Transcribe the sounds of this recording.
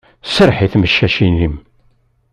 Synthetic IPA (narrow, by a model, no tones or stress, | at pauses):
səɾˤħiθməʃːæʃinim